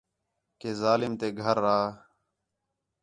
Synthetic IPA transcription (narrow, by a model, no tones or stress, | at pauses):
keːzaːlɪmt̪eːɡʱəɾːaː